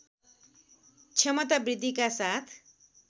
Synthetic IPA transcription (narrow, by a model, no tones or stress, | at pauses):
t͡ʃʰemʌt̪abrid̪ʱːikasat̪ʰ